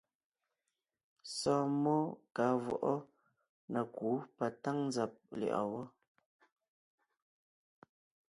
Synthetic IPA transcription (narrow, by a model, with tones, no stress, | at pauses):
sɔː˦mɔ˦ka˨˦vwɔ̰˨ʔɔ˦ | na˨ku˨˦pa˨ta˦ŋn˦d͡za˨p̚lɛ̰˨ʔa̰˨wɔ˦